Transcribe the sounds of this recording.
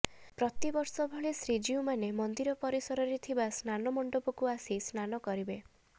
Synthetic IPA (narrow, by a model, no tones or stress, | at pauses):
pɾɔt̪ibɔɾsɔbʱɔɭesɾid͡ʒiumanemɔnd̪iɾɔpɔɾisɔɾɔɾet̪ʰibasnanɔmɔɳɖobɔkuasisnanɔkɔɾibe